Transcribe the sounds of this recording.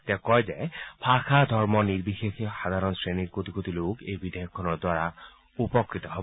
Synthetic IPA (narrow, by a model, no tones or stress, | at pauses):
t̪ɛkɔjzɛpʰaxʰad̪ʱɔɹmɔniɹbixexixad̪ʱaɹɔnsɹeniɹkot̪iɡot̪ilokejbid̪ɛjɔkʰːɔnɔɹdwaɹa | upɔkɹit̪ɔɦob